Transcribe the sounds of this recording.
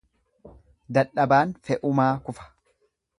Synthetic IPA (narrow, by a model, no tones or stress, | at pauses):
d̪ɐᶑɐbaːnfɛʔʊmaːkʊfɐ̥